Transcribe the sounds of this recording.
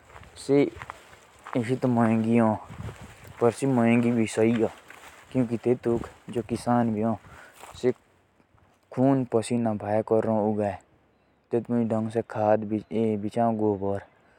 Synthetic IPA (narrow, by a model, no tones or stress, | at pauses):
se | eʃit̪məːẽːŋɡiõː | pəɾsiməẽːŋɡibʱisəiːaːkjũːk̬it̪et̪ʊkʰd͡ʒoːkɪsaːnbʱiõːse | kʰuːnpəsiːnãːbʱaːjkɔɾːõːuɡaːe | t̪et̪muiɖʱəŋɡs̬eːkʰaːd̪bbɪt͡ʃãːɡoːbɔːɾ